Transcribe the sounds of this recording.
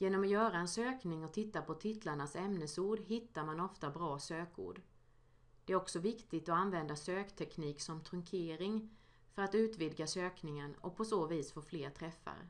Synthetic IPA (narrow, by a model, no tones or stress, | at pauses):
jeːnɔmɔjœːɾaɛnsøːknɪŋɔt̪ʰɪt̪ːapʰɔt̪ʰɪt̪ʰlaɳasɛmnəsuːɖɦɪt̪ːaɾmanɔft̪abɾɑːsøːkṵːɖ | d̪̥ɛæɾɔksɔvɪkt̪ɪɡt̪ɔanvɛnd̪asøːkt̪ʰɛkniːksɔmt̪ʰɾɵŋkʰeːɾɪŋ | fœɾat̪ʉ̟ːt̪vɪd̪ɡasøːknɪŋənɔ̰pʰɔsoːviːsfoːfleːɾt̪ʰɾɛfːa̰ɾə̰